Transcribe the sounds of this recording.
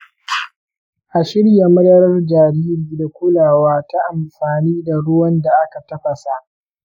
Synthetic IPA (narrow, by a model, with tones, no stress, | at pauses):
ʔa˨ʃɪ˦ɽja˨mɐ˦dɐ˦ɾɐ˦rd͡ʒaː˨ɾiː˦ɾiː˨da˨kʷʊ˦laː˨waː˦ta˦ʔa˨mɸaː˨niː˦da˨ɽʊ˦wɐ˦nda˨ʔa˦ka˨tɐ˦ɸɐ˨sa˦ʔ